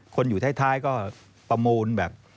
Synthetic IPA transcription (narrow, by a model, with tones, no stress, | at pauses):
kʰo˧njuː˨˩aː˦˥˩jt̪ʰaː˥˩jkɔː˥˩ | pɾa˧muː˧nbɛː˨˩p̚